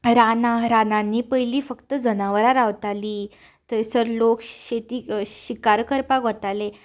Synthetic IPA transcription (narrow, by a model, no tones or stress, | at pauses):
ɾanaɾanãnːiːpəjliːfəkt̪əd͡zənaʋəɾaɾaʋt̪aliː | t̪əɾsəɾlokɕet̪iːɕikaɾkəɾpaɡɦɔt̪ale